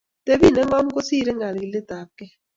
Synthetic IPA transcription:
te˦bi˦˨nɛ˦ŋa˦mko˦si˦˨ɾe˦ŋa˨lɡi˨lɪ˦ta˨kɛ˦

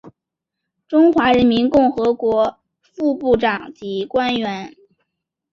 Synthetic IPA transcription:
ʈ͡ʂʊ˥ŋxwa˧˥ɻə˧˥nmi˧˥nkʊ˥˩ŋxɤ˧˥kwɔ˧˥ | fu˥˧pu˥˩ʈ͡ʂɑ˨˩ŋt͡ɕi˧˥kwa˥nɥɛ˧˥n

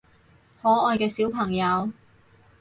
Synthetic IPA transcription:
hɔː˨˥ɔː˧jkɛː˧siː˨˥wpʰɐ˨˩ŋjɐ˨˧w

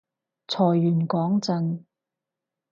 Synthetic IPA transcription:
t͡sʰɔː˨˩jːyː˨˩nkɔː˨˥ŋt͡sɐ˨˧n

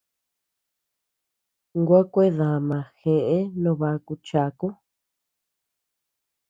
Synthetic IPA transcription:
ŋɡʷa˦kʷe˦ðã˨mã˨xẽ˧ʔẽ˦nõ˧βa˧ku˧t͡ʃa˧ku˦

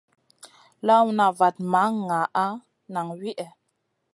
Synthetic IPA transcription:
la˦wna˨va˨t̚ma˨˦ŋa˨ʔa˦ | na˨ŋɥi˦ʔɛ˨

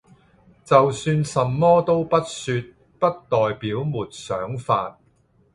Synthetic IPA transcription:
t͡sɐ˨wsyː˧nsɐ˨mːɔː˥t̪o˥wpɐ˥t̚syː˧t̚ | pɐ˥t̚t̪ɔː˨jpiː˨˥wmuː˨t̚sœː˨˥ŋfaː˧t̚

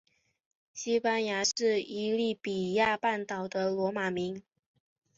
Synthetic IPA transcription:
ɕi˥pa˥nja˧˥ʂɻ̩˥˩i˧˥li˥˩pi˨˩ja˥˧pa˥˩nt̪ɑ˨˩ʊd̪ə˦lwɔ˧˥ma˨˩mi˧˥ŋ

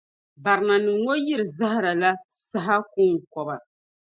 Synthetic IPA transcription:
ba˨ɾɨ˨na˨nɨ˨ŋo˦ji˦ɾɨ˨za˦ha˦ɾa˨la˦sa˨ɦa˦ku˦˨kɔ˨ba˨

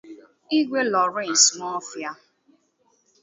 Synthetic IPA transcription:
i˦ɡʷe˦lɔ˨ɾe˦˨n̩˨smɔ˦fja˦

